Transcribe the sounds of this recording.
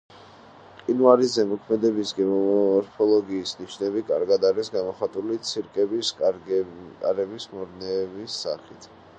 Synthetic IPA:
qʼinvaɾizɛmɔkʰmɛd̪ɛbisɡɛɔɔɾpʰɔlˠɔɡiːsniʃnɛbikʼa̰ɾɡad̪aɾisɡamɔχat̪ʼulit̪sʰiɾkʼɛbis | kʼaɾɛbismɔɾnɛːbisːaχit̪ʰ

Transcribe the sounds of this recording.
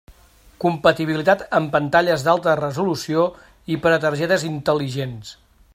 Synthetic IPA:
kumpət̪iβilit̪at̪əmpənt̪aʎəzðalˠt̪ərəzulusio | ipɾət̪əɾʒɛt̪əzint̪əliʒens

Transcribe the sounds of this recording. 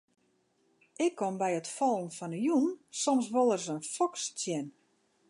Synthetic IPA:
ʔɪkʰːombɛjətfɔlˠənfɔnəjunsɔms̬ʋolˠərsənfɔkst͡sjɛn

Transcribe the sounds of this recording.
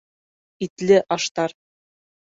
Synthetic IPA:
it̪lɘʔɑʃt̪ɑɾ

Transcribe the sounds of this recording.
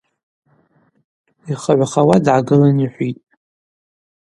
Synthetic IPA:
iχaʕʷaχawadʕaɡɨlaniħʷitʼ

